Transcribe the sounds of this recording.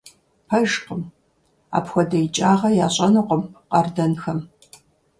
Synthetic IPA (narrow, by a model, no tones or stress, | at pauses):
pʰɐʒqəm | a̰ːpxʷɔdɐjt͡ʃʼaːʁɐjaːɕʼɐnɨqʷəmqɐrdɐnxɐm